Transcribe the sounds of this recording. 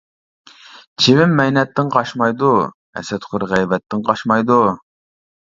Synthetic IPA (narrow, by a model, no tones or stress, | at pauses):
t͡ʃʰivɪmːɛjnɛt̪ːɪŋqʰɑʃmɑjd̪u | ɛ̰sɛt̪χʰʊɾʁæjvɛt̪ʰːɪŋqʰɑʃmɑjd̪u